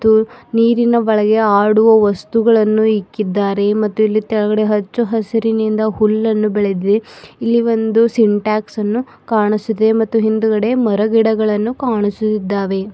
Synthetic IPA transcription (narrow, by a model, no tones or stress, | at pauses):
uniːɾinɐʋɐɭɐɡe̞aːɽuʋɐʋɐst̪uɡɐɭɐnːuikːid̪ːaːɾe̞mɐt̪ːuilːit̪ɛɭɐɣɐɽe̞ɦɐt͡ʃːuɦɐsiɾinind̪ɐhulːɐnːubɛɭed̪id̪eilːiʋo̞nd̪usiɳʈaːksɐnːu | kaːɳisud̪emɐt̪ːuɦind̪uɡɐɽe̞mɐɾɐɡiɽɐɡɐɭɐnːukaːɳisut̪id̪ːaːʋe̞